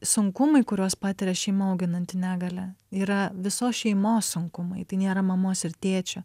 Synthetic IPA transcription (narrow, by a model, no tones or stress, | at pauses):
sʊŋkʊmɐɪkʊɾʲoːspɑːt̪ʲɪɾʲɛʃʲɛɪmɐɐʊɡʲɪnɐnʲt̪ʲɪnʲæːɡɐlʲɛiːɾɐʋʲɪsoːsʃʲɛɪmoːssʊŋkʊmɐɪt̪ɐɪnʲeːɾɐmɐmoːsɪrt̪ʲeːt͡ʃʲʊ